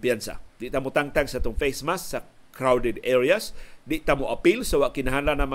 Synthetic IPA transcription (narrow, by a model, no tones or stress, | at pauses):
piansa̰diʔt̪amut̪aŋt̪aŋsat̪ʊŋfesmasːa | kɾawdɛdɛɾiasdiʔt̪amuʔapilsawaʔkinaɦalanama